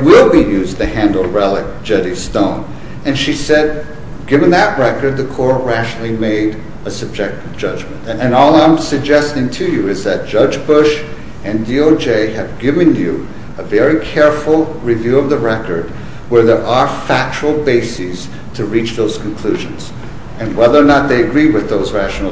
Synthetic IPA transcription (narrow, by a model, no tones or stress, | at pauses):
wɪlˠbijʉztɨhæ̃ndˡl̩ˠɹɛlˠək̚d̥ʒ̥ɛɾi̥stõʊ̃n | ɨ̃nʃisɛd̚ | ɡ̥ɪvɨ̃nðəʔ̚ɹɛkə˞d̪̚ðɨkʰɔɹɹæʃnl̩ˠimeɪɾ | ɨsɨb̚d͡ʒɛk̚tɨvd͡ʒʌd͡ʒmɨ̃ntɨ̃nɔlˠãɪ̃msɨɡ̚d͡ʒɛstɪ̃ŋtʰɨjɨɪzðɨt̚d̥ʒ̥ʌd͡ʒbʊʃ | ɨ̃ndioʊd͡ʒeɪɨvɡɪvɨ̃njɨ̰ | əvɛɹikʰɛɹfl̩ˠɹivjʉʌvðəɹɛkə̰˞d̚ | wə˞ðə˞ʔə˞fæk̚t͡ʃəl̩ˠbeɪsiz̥ | tʰɨɹit͡ʃðoʊz̥kʰɨ̃n̩kʰl̥ʉʒɨ̰̃nz̥ | ɨ̃nwɛðə˞nət̪̚ðeɪɨɡɹiwɨðoʊzɹæʃn̩l̩ˠ